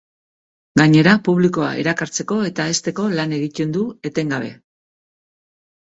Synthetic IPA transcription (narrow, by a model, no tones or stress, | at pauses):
ɡaɲe̞ɾapuβliko̞a̰ḭɾakaɾt͡se̞ko̞e̞t̪ae̞st̪e̞ko̞lane̞ɣit̪e̞nd̪ue̞t̪e̞ŋɡaβ̞e̞̰